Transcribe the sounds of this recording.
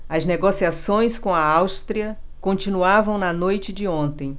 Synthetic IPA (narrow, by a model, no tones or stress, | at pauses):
ɐzneɡosiasõj̃skõɐawst̪ɾiɐkõnt͡ʃĩnuavɐ̃w̃nɐnojt͡ʃɪd͡ʒɪõnt̪ẽj̃